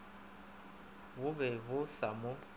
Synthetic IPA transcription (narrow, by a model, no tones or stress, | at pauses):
bʊbɛβʊsamʊ